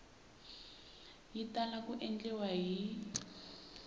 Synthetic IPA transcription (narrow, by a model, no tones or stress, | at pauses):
jitalakuʔɛnd͡ɮɛwaɦi